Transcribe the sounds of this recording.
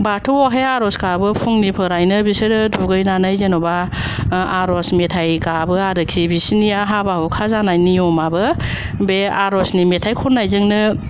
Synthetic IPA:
batʰuɔɦeaɾɔskabɯpʰuŋnipʰɯɾajnɯbisɯdɯduɡɯjnanɯjzenɔba | aɾɔsmetʰajkabɯaɾɯkʰibisiniaɦabahɯkʰazanajniɔmabɯ | beaɾɔsnimetʰajkʰɔnːajzɯŋnɯ

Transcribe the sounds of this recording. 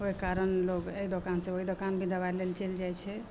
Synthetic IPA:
oikaɾənloɡeid̪okansẽoɦid̪okanbʱid̪əβalelt͡ʃeld͡ʒajt͡ʃʰɛ

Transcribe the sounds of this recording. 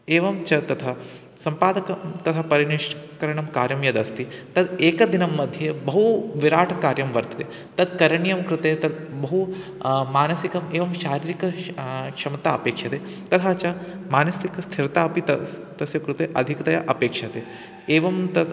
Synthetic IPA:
eːʋɐmt͡ʃɐt̪ɐt̪ʰɐ | sɐmpaːd̪ɐkɐmt̪ɐt̪ʰɐpɐɾiɳiʂʈkɐɾɐɳɐmkaːɾjɐmjɐd̪ɐst̪it̪ɐd̪eːkɐd̪inɐmːɐd̪ʱjɐbɐɦuʋiɾaːʈʰɐkaːɾjɐmʋɐɾt̪ɐ̥t̪e | t̪ɐd̪kɐɾɐɳijɐmkɾut̪eːt̪ɐd̪bɐɦumaːnɐsikɐmeːʋɐmʃaːɾiːɾikɐkʂɐmɐt̪aːɐpeːkʂɐt̪eː | t̪ɐt̪ʰat͡ʃɐmaːnɐsikɐst̪ʰiɾɐt̪aːɐpit̪ɐt̪ɐsjɐkɾut̪eʔɐd̪ʱikɐt̪ɐjɐʔɐpeːkʂɐt̪eː | eːʋɐmt̪ɐd̪

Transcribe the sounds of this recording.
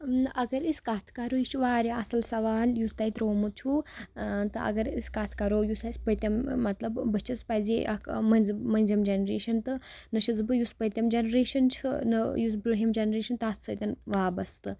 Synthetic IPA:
ʔɐɡɐɾiskat̪ʰkɐɾojit͡ʃʰuʋaːɾʲaɐsɐlsɐʋaːljust̪ɐjit̪ɾoːmɨt̪̚t͡ʃʰu | t̪ɨʔɐ̰ɡɐɾisʲkat̪ʰkɐɾoːjusʲɐsʲpəjt̪ʲɐmːɐt̪lɐbːɨt͡ʃʰɐspɐziʔɐkmɐnʲzmɐnʲzimd͡ʒɐnɾeːʃɐnt̪ɨnɨʃɐzbɨjuspəjt̪ʲɐmd͡ʒɐnɾeːʃɐnt͡ʃʰɨ̰nɨjusbɾuɦimd͡ʒɐnɾeːʃɐnt̪ɨɐt̪ʰsəjt̪ʲɐnʋaːbɐst̪ɨ

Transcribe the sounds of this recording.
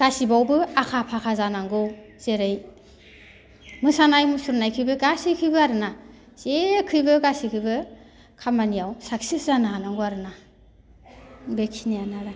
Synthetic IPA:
ɡ̥asibawbɯakʰapʰakʰazanaŋɡɔw | z̥eɾɯj | mɯsanajmɯsuɾnajkʰɯjbɯɡasikʰɯjbɯaɾɯna | sekʰɯjbɯɡasikʰɯjbɯ | kʰamanijawsak̚sizanaanaŋɡuaɾɯna | bekʰinianaɾa

